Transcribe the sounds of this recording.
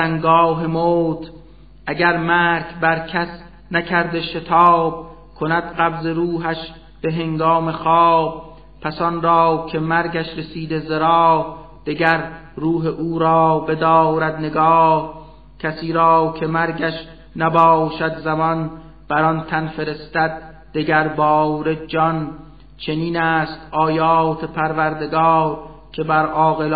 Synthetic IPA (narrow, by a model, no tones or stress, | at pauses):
æŋɡɒːɦemoːt̪ʰ | ʔæɟæɾmæːɾkʰbæɾkʰæs | nækʰæɾd̪eʃe̞t̪ʰɑːb̥̚ | kʰonæd̪̥ɢæbze̞ɾuːɦæʃ | b̥e̞ɦeŋɡɒːme̞xɑːb̥̚ | pʰæsɒnɾɒːkʰe̞mæɾɟæʃɾesiːd̪ezeɾɑːh | d̪̥iɡæɾɾuːɦeʔuːɾɒːbe̞d̪ɒːɾæd̪ne̞ɡɒːh | cʲʰæsiːɾɒːkʰemæɾɡæʃ | næbɒːʃæd̪zæmɒn | b̥æɾɒnt̪ʰænfe̞ɾe̞st̪æd̪̚ | d̪̥eɡæɾbɒːɾe̞d͡ʒɒn | t͡ʃʰe̞niːnæːst̪ɒːjɑːt̪ʰe̞pʰæɾvæɾd̪e̞ɡɒːɾ | kʰe̞bæɾɒːɣel